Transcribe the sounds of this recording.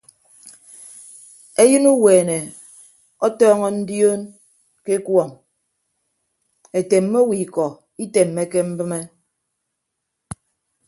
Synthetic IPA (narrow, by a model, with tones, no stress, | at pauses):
e˦jɨ˦nu˦weː˨ne˨ | ɔ˦tɔː˦ŋɔ˦n̩˦djoː˦n | ke˦kwɔ˦˨ŋ | e˨te˨mːo˦wi˨kɔ˨ | i˦te˨mːe˦ke˦m̩˦bɨ˦me˦